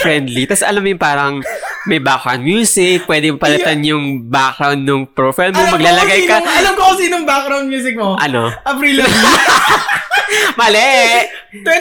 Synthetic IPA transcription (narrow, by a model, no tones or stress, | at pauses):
fɹɛnd̪lit̪asʔɐ̰lamjʊŋpaːɾɐŋmɐjbak̚ɾɐ̰nmjuːsɪk̚pwɛːd̪ɪmpɐlɐt̪anjʊŋbak̚ɾawnd̪ːʊŋpɾɹofajlmomɐɡlaːlɐɡajkɐɐlɐmkokɐsiːnoŋbakɾawnmjuːs̬ɪk̚moʔɐnoʔɐbɾiːlɐ | mɐlɛʔ | t̪ɛ